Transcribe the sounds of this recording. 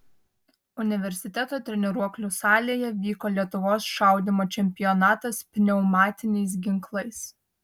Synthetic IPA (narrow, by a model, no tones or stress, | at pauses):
ʊnʲɪʋʲɛɾʲsʲɪt̪ʲɛt̪oːt̪ʲɾʲɛnʲɛɾuɔklʲʊːsɑːlʲeːjɛʋʲiːkoːlʲiɛt̪ʊʋoːsʃɑˑʊd̪ʲɪmoːt͡ʃʲɛmʲpʲɪjɔnɑːt̪ɐspʲnʲɛʊmɑːt̪ʲɪnʲɛɪs̬ɡʲɪŋklˠɐɪs